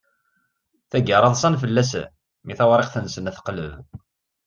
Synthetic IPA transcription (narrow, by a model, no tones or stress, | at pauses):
θæɡəɾˤɑðˤsˤɑnfəlːæsæ̰ | miθæwɾˤeqθənsənæθqlə̰v